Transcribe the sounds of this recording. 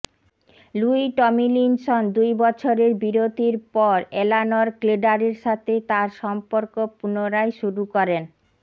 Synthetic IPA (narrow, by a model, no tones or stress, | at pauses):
luiʈɔmilinsond̪ujbɔt͡ɕʰoɾeɾbiɾod̪ʱiɾpɔɾelanoɾkleɖaɾeɾʃat̪ʰet̪aɾʃɔmpoɾkopunoɾajʃuɾukɔɾen